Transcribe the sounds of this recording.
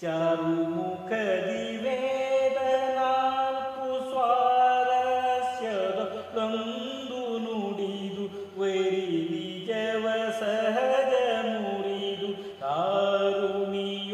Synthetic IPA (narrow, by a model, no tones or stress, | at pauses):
t͡ʃaːɾumukʰɐd̪i | ʋed̪ɐnaːɭkusʋaːɾɐɾɐɐsjɐd̪ɐ | ɾɐn | d̪unuɽid̪u | ʋeɾiʋi | d͡ʒɐʋɐsɐɦɐd͡ʒɐmuɽid̪u | t̪aːɾumij